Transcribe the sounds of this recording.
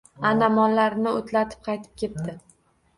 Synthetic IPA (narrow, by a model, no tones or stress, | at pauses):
anamɒnlaɾnɪot̪ʰlat̪ʰɪ̥p̚qʰɑjt̪ʰɪ̥p̚kʲʰe̞p̚t̪ɪ